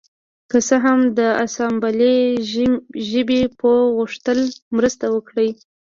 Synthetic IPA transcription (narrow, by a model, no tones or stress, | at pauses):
kəsəɦamd̪əasɑmbale | ʒəbepəɣuʂt̪əlmɾəst̪awəkɽəj